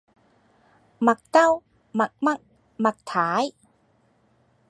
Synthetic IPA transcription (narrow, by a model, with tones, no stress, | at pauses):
ma˧˩k̚ka˥˨w | ma˨˩k̚ma˥˩k̚ | ma˧˩k̚t̪ʰaː˩˦j